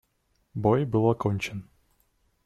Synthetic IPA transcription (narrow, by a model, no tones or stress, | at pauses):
bojbɨlˠɐkonʲt͡ɕɪn